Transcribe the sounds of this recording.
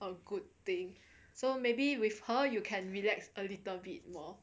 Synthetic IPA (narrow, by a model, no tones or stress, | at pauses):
əɡud̚t̪ĩŋ | somebiwifhəjukʰɛ̃nɹilɛksəlitəlbit̚mɔ